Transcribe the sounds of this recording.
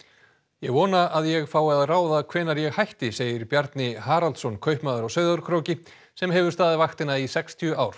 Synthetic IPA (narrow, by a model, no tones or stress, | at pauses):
jɛɣvɔːnaaðjɛɣfaːwɛðaðraːwðakʰvɛːnaɾjɛɣhajht̪ɪseːjɪɾpjaɾt̪nɪhaːɾalt̪sɔnkʰœɥhpmaːðʏɾawsœːɥðʏɾkʰɾowcɪ | sɛmɦɛvʏɾ̥st̪aːðɪvaxt̪ɪnaisɛkst̪ʰiʏaːwɾ̥